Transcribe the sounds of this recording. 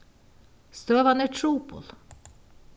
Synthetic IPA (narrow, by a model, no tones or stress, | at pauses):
st̪øːʋɑneʈʰɹuːpʊ̰l